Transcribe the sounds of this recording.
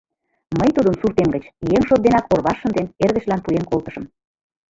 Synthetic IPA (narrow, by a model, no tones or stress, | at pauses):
məjt̪ud̪ənsurt̪emɡət͡ɕjeŋʃot̪̚d̪enɑkorβɑʃːə̆nd̪enerɣə̆ʃlɑnpujeŋkolt̪ə̥̆ʃə̆m